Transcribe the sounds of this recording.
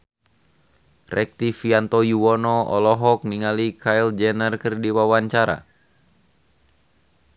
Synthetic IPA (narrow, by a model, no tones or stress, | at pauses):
rʔɛk̚t̪ifiant̪ɔjuwɔnɔɔ̰lɔɦɔk̚niŋalikʰaild͡ʒɛnərkɨrdiwawaɲt͡ʃaɾa̰